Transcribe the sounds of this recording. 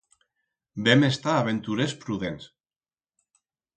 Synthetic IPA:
bemest̪aːβent̪uɾespɾuðens

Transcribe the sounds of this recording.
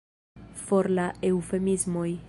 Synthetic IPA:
fo̞ɾlaewfemizmoj

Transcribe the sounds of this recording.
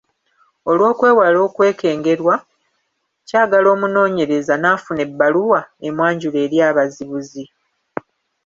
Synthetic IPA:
o̞lwo̞ːkwe̞ːwalo̞ːkwe̞ːke̞ːŋɡe̞ɾwa | caːɡalo̞ːmuno̞ːɲe̞ɾe̞zanaːfune̞bːaluwaemwaːɲɟule̞ːɾjaːβaziβuzi

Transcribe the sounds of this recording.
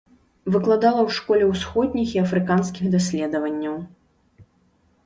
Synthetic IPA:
vɨklˠad̪alˠɐwʂkɔlʲɛwsxɔd̪ʲnʲixiɐfɾɨkanskʲixd̪asʲlʲɛd̪ɐvɐnʲːɐw

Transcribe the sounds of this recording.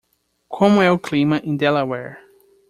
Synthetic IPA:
kʰõmʊɛʊklĩmɐʔĩnd̪ɛlawɛɹ

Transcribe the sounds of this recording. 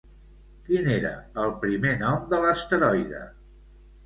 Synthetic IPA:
kineɾə̰əlˠpɾimenɔmd̪ələst̪əɾɔjðə̰

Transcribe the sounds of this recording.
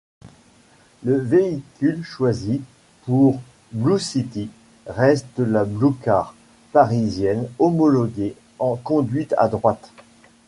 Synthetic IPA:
ləveikʲylʃwazi | puʁ | blusit̪i | ʁɛst̪̚d̪əlablukaʁ | paʁizjɛnɔmɔlɔɡe | ɑ̃kɔ̃d̪ɥit̪a̰d̪ʁwat̪

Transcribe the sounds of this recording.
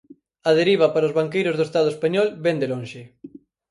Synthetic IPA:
ɐðeɾiβ̞ɐpaɾaozβaŋkejɾʊzðoest̪að̞oespaɲɔlbɛnd̪elonʃɪ

